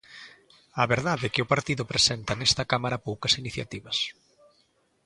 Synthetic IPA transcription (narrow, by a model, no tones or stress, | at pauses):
aβeɾðaðɛkɪʊpaɾt̪iðʊpɾesɛnt̪ɐnɛst̪ɐkamaɾɐpowkɐsiniθja̰t̪iβɐs